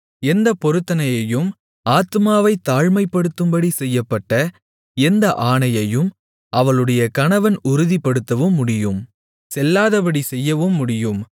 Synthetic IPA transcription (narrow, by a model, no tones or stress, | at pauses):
ɛnd̪ɐpɔɾɯt̪ːɐnɐjɐjɯm | aːt̪ɯmaːʋɐɪt̪ːaːɻmɐɪpːɐɽɯt̪ːɯmbɐɽisɛjːɐpːɐʈːɐ | ɛnd̪ɐʔaːɳɐjɐjɯm | ʔɐʋɐɭɯɽɐjɐkɐɳɐʋɐnʊɾɯðipːɐɽɯt̪ːɐʋɯmːʊɽɪjɯm | sɛlːaːðɐpɐɽisɛjːɐʋɯmːʊɽɪjɯm